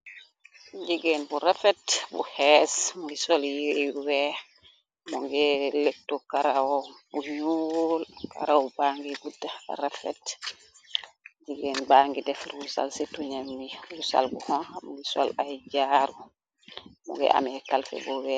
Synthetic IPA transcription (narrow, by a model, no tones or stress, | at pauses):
d͡ʒiɡɛnbuɾafɛtbṵhɛsmuŋɡisɔljiwɛ | muŋɡɛlɛk̚tːɔkaɾawɔbuɲulka̰ɾawɔbaŋɡiɡudːaa̰ɾafɛ̰t | d͡ʒiɡɛnbaŋɡidɛfɾusa̰lsituɲambiɾusa̰lbuhɔnamuŋɡisɔ̰lajd͡ʒaɾu | mṵŋɡɛ̰ʔa̰mɛkalfɛ̰buwɛ